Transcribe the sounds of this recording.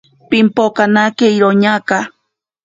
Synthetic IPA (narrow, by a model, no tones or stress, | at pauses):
pimpokanakeiɾoɲaka